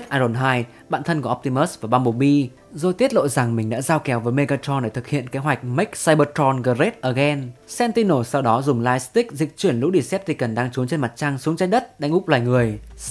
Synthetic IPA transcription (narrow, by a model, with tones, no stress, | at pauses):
t̚ʔaː˧zo˨˩nɦaː˧j | ɓa̰ː˧˨nt̪ʰə˧nku˧˩˨ʔp̚t̪i˧məː˦˥svaː˨˩ɓaː˧nɓo˨˩ɓi˧ | zo˧˩jt̪i˦˥ət̚lo̰˧˨za˨˩ŋmï˨˩ŋ̟ɗa̰ː˧˥zaː˧wkɛ˨˦wvəː˨˦jme˧ɣaː˧t͡ɕɔ˧nɗe˧˩t̪ɨ˨˩k̚hḭ˧˨ənke˨˦ɦwa˨˩k̟̚mi˦˥k̚saː˧jɓəː˧tɔ˧nɣəː˧˩ze˦˥t̚ʔəː˧˩ɣɛ˧nsɛ˧nt̪i˧no˧˩sa˧wɗɔ˨˦zʊ˨˩ŋ͡mlaː˧jst̪ï˦˥k̚zï˨˩k̟̚t͡ɕwi˧˩ənlṵ˧˥ɗi˧˩sɛ˦˥p̚t̪ʰi˨˩kə˨˩nɗaː˧ŋt͡ɕu˨˦ənt͡ɕe˧nma˨˩t̚t͡ɕa˧ŋsu˨˦ŋt͡ɕa˧˥j̚ɗə˦˥t̚ɗa˧jŋ̟ʔʊ˦˥k͡p̚laː˨˩jŋɨ˨˩əj